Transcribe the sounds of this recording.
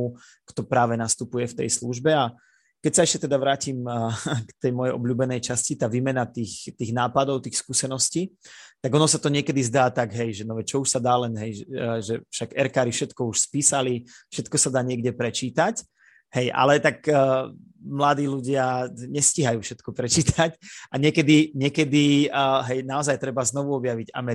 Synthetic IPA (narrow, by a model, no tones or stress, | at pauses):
u | kt̪ɔpɾaːʋɛnast̪upujɛft̪ɛ̰jsluʒbɛa | kɛcsaɛʃcɛt̪ɛd̪aʋɾaːcimkt̪ɛjmɔjɛjʔɔbʎuːbɛnɛjt͡ʃascit̪aːʋiːmɛnat̪iːxt̪iːɣnaːpad̪ɔʊt̪iːxskuːsɛnɔsciːt̪aɡɔnɔsat̪ɔɲɪɛkɛd̪izd̪aːt̪aɡɦɛjʒɛnɔʋɛt͡ʃɔuʃsad̪aːlɛnɦɛjɛʒɛfʃaɡɛɾkaːɾifʃɛt̪kɔuʃspiːsalifʃɛt̪kɔsad̪aːɲɪɛɡɟɛpɾɛt͡ʃiːt̪ac | ɦɛjʔa̰lɛt̪akː | mlad̪iːluɟɪaɲɛsciɦajuːfʃɛt̪kɔpɾɛt͡ʃiːt̪ʰacaɲɪɛkɛd̪iɲɪɛkɛd̪iɦɛjnaɔzajt̪ɾɛbaznɔʋuɔbjaʋiɟa̰mɛ